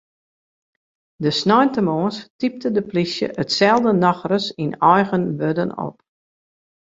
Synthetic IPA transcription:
dəsnɔjntəmoːənstip̚tədəplisjə̰ʔətsɛlˠdənɑxrəsinɔjɣənʋødəno̰p̚

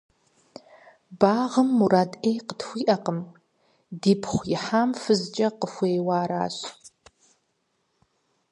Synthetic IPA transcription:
baːʁəmːuraːdʼejqətxʷiːʔɐqəm | diːpʰχʷjɪħaːmfɨzd͡ʒʼɐqəxʷejwaːɾa̰ːɕ

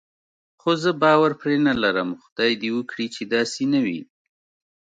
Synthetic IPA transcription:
xozəbɑwaɾpɾenalaɾəmxʊd̪̥ɑjd̪iwəkɽit͡ʃed̪ɑsenawḭ

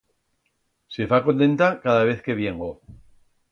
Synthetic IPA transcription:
sefakont̪e̞nt̪akaðaβ̞e̞θke̞βje̞ŋɡo

